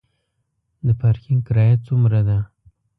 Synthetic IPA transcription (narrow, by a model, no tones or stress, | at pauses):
d̪əpaɾkɪŋkɪɾɑjat͡sumɾad̪a